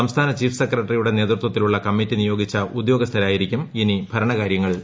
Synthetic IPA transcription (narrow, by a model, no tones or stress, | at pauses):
ɐmst̪ʰaːnɐt͡ɕiːfsekːrɐʈːɐrijuɽe̞ne̞ːt̪rut̪wɐt̪ːiluɭːɐkɐmːitːinijo̞ːɡit͡ɕːɐʔud̪jo̞ːɡɐst̪ʰɐɾaːjiɾikʲːuminibʱɐɾɐɳɐkaːɾjɐŋːɐɭ